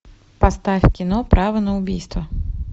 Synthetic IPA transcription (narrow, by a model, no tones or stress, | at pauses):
past̪afʲkʲinɔpɾʔavɐnɐʊbʲijst̪vɐ